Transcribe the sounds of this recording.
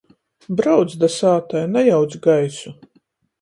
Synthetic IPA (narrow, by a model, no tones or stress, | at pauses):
bɾawd̪sd̪asaːt̪ajnajawd̪sɡajsu